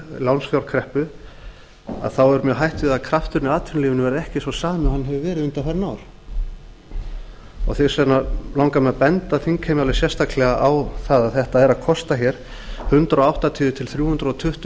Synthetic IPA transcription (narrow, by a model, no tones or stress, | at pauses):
lawnsfjawɾ̥kʰɾɛhpʏ | a̰ðθawɛɾʏmjœɦajht̪ɪðaðkʰɾaft̪ʏɾnɪaːðt̪ʰʏnliːvʏnʏvɛɾɛhcɪsvɔsaːmɪʏhanːɦɛvɪvɛːɾɪðʏnt̪afɛɾnawɾ̥ | ɔ̰ɣθɛsɛnalawŋkamɛapɛnt̪aθiŋkʰɛjmalɛsjɛst̪aklɛɣaʔawθaðaðθɛht̪aɛɾaðkʰɔst̪açɛɾ̥ | hʏnt̪ɾawawht̪at̪ʰiːʏt̪ʰɪlθɾjuːhʏnt̪ɾaɔt̪ʰʏht̪